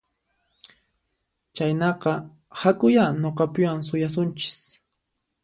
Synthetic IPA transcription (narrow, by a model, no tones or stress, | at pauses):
t͡ʃajnɑqɑ | hakʊjanoqɑpɪwaŋsʊjasʊnt͡ʃɪ̥s